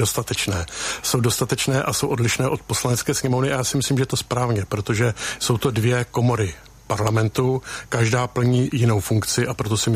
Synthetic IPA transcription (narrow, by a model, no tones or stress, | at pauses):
ost̪at̪ɛt͡ʃnɛːso̞wdo̞st̪at̪ɛt͡ʃnɛːʔaso̞wʔo̞dlɪʃnɛːʔo̞t̪̚po̞slanɛt͡skɛːsɲɛmo̞vnɪʔajaːsɪmɪsliːmʒɛt̪o̞spɾaːvɲɛpɾo̞t̪o̞ʒɛso̞wt̪o̞dvjɛko̞mo̞ɾɪ | paɾlamɛnt̪ukaʒdaːpl̩ɲiːjɪno̞wfuŋkt͡sɪʔapɾo̞t̪o̞sɪm